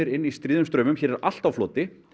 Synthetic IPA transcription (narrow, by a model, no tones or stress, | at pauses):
ɾɪnːist̪ɾiːðʏmst̪ɾœːmʏmçɛːɾɛɾa̰l̥t̪awflɔːt̪ɪ